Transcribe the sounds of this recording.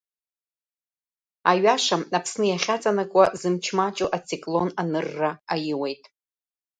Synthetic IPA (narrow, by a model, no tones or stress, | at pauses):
aɥaʂamapʰsnɨjaχʲat͡sʼanakʷʼazɨmt͡ʃʰmat͡ʃʼuʔat͡sʰikʼlo̞nanɨrːaajɪwe̞jtʼ